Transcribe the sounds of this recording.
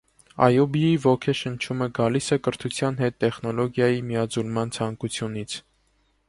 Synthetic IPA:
ɑ̰jɔbiivɔkʰɛʃənt͡ʃʰuməɡɑlisɛkəɾt̪ʰut͡sʰjɑnɦɛt̪ːɛχnɔlɔɡjɑjimijɑd͡zulmɑnt͡sʰɑŋkut͡sʰjunit͡sʰ

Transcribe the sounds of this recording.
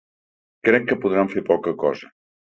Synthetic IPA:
kɾɛkːəpuðɾaɱfepɔkəkɔ̰zə

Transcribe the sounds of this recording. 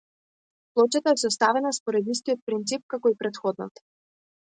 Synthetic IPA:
plˠɔt͡ʃat̪aɛsɔst̪avɛnaspɔɾɛd̪ist̪ijɔt̪̚pɾint̪sip̚kakɔipɾɛt̪xɔd̪nɔ̰t̪

